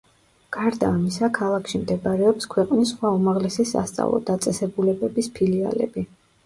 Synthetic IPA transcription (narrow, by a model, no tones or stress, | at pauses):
ɡ̥aɾd̪aːmisakʰalˠakʰʃimd̪ɛbaɾɛɔpskʰwɛqʼnisχwaumaʁlɛsisa̰st̪sʼa̰vlˠɔ̰d̪̥at̪sʼɛsɛbulɛbɛbispʰilia̰lɛ̰bi